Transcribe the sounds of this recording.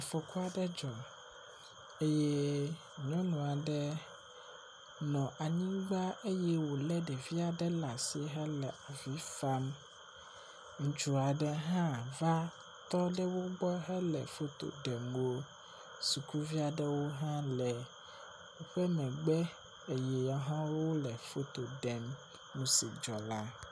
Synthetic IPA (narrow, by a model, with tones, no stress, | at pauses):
a˨fɔ˨ku˦a˨ɖɛ˦d͡ʒɔ˨ | e˦je˦ | ɲɔ̃˦nũ˨a˨ɖɛ˦ | nɔ̃˨ʔa˨ɲĩ˦ɡ͡ba˦ʔe˦jɛ˦wo˨lɛ˦ɖɛ˨vi˦a˨ɖɛ˦la˨si˦ɦɛ˦lɛ˨a˨vi˨˦fa˦m | ŋ̩̃˨t͡ʃu˨a˨ɖɛ˦ɦã˦va˦ | t̪ɔ˦ɖɛ˦wo˦ɡ͡bɔ˦ɦɛ˦lɛ̰˨fo˦t̪o̰˨ɖɛ˨mwo˦ | su˨ku˦vi˦a˨ɖɛ˦wo˦ɦã˦lɛ˨ | wo˦ɸɛ˦mɛ̃˨ɡ͡bɛ˦ | e˨jɛ˨ja˨ɦɔ̃˦wwo˦lɛ˨fo˦t̪o˨ɖɛ˨m | nũ˦sḭ˨d͡ʒɔ˨la˦